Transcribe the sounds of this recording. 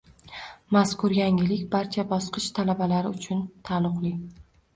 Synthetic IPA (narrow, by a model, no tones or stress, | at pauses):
maskʊɾjaŋɪlɪkʲbaɾt͡ʃʰabɒsqɨʃt̪ʰalabalaɾɪʊt͡ʃʰʊnt̪ʰalˠʊqlˠi